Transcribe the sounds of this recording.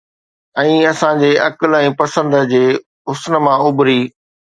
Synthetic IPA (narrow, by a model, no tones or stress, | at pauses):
ɛ̃ːɐsãd͡ʑeːʔɐkəlɛ̃ːpɐsə̃nd̪d͡ʑeː | ʊsn̆mãʊbʱɾiː